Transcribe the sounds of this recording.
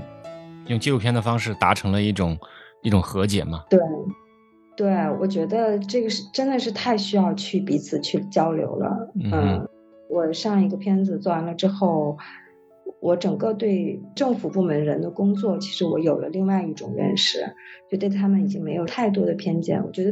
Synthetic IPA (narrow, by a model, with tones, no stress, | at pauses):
jʊ˥˧ŋt͡ɕi˥˧lu˧˩pʰjɛ˥nd̪ə˨fɑ˥ŋʂɻ̩˥˩t̪a̰˧˥ʈ͡ʂʰɤ˧˥ŋlə˧i˥˩ʈ͡ʂʊ˨˩˦ŋi˥˩ʈ͡ʂʊ˨˩ŋxɤ˧˥t͡ɕjɛ̰˨˩nmɐ˦t̪we˥˩ɪ | t̪we˥˩ɪwɔ̰˨˩t͡ɕɥɛ˧˥d̪ə˧ʈ͡ʂɤ˥˩ɡə˩ʂɻ̩˥˩ʈ͡ʂə˥nd̪ə˨ʂɻ̩˥˧t̪ʰa˥˧ɪɕy˥jɑ˥˧ʊt͡ɕʰy˥˩pi˧˥t͡sʰɹ̩˨˩t͡ɕʰy˥˩t͡ɕjɑ˥ʊljo̰˧˥ʊlə̰˧ə˥˩ | wɔ˨˩ʂɑ˥˩ŋi˧˥ɡə˧pʰjɛ˥nd͡zɹ̩˨˩t͡sɔ˥˩˧nlə˧ʈ͡ʂɻ̩˥xo˥˩ʊ | wʔɔ˧˥ʈ͡ʂɤ˨˩ŋkɤ˥˧t̪we˥˧ɪʈ͡ʂɤ˥˩ŋfu˨˩pu˥˩mə˧˥nɻə˧˥nd̪ə˧kʊ˥ŋt͡swɔ˥˩t͡ɕʰi˧˥ʂɻ̩˧˥wɔ˧˥jo˨˩ʊlə̰˦li˥˧ŋwa˥˧ɪi˥˩ʈ͡ʂʊ̰˨˩ŋɻə̰˥˧nʂɻ̩˥˩t͡ɕɛ˧˥d̪t̪ə˧˩t̪ʰa˥mə˨ni˨˩t͡ɕi˥ŋme˧˥ɪjo˨˩ʊt̪ʰa˥˩ɪt̪̬wɔ˥d̪ə˨˩pʰjɛ˥nt͡ɕjɛ̰˥˩nwɔ̰˨˩t͡ɕɥɛ˧˥d̪ə˧